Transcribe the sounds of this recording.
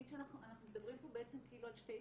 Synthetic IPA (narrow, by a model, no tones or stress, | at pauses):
inʃeanaχuanaχnumed̪abʁimpo̞beʔet͡semkeiːlualʃt̪ej